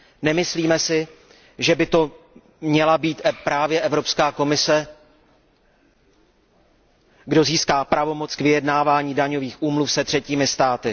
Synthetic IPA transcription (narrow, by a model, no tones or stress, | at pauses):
nɛmɪsliːmɛsɪ | ʒɛbɪt̪o̞ | mɲɛlabiːt̪pɾaːvjɛʔɛvɾo̞pskaːko̞mɪsɛ | ɡdo̞ziːskaːpɾʔavo̞mo̞t͡skvɪjɛdnaːvaːɲiːdaɲo̞viːxʔuːmlufsɛt̪r̥ɛciːmɪst̪aːt̪ɪ